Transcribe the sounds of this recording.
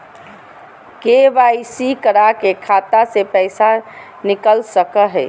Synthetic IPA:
keʋaisikəɾakekʰaːt̪asepɛɪsa | nɪkəlsəkəɦɛ

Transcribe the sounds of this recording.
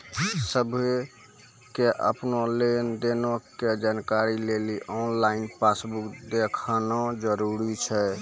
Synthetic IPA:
səbʱe | keʔə̰pnolend̪enoked͡ʒankaɾileliʔɔnlainpasbukd̪ekʰnɔd͡ʒəɾuɾit͡ʃʰɛ

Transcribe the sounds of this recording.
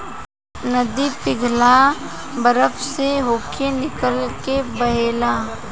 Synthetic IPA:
nɐd̪ipɪɡʱlabəɾəfseɦoːkʰenɪkəlkebɐɦeːlaː

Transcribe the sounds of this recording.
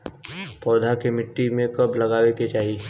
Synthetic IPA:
pɔːd̪ʱakemɪʈːimẽkɐblɐɡaːweket͡ʃaːɦi

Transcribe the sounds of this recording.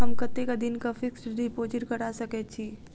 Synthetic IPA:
ɦəmkət̪ːekad̪ɪnkafɪksɾipoːd͡ʒəɾkəɾasəkɛt͡ʃʰi

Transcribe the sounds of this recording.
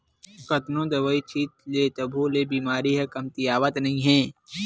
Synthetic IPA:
kɐt̪nõd̪ɐʋəit͡ʃʰiːt̪leːt̪ɐbʱolebiːmaːɾiɦɛkɐmt̪ijaːʋət̪nɐɦĩɦɛː

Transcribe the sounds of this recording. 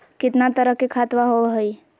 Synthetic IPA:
kɪt̪nat̪əɾəɦkekʰaːt̪ʋaɦoɦəi

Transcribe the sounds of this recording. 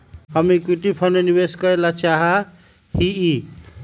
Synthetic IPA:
ɦʌmikiʈipʰʌnenibeskʌɾelat͡ʃaɦa | hii

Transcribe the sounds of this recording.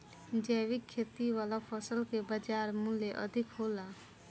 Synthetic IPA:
d͡ʒəːwɪkʰːeːt̪iwaːlapʰəsəlkebəd͡ʒaːɾmʊleʔə̰d̪ʱɪkɦoːlaː

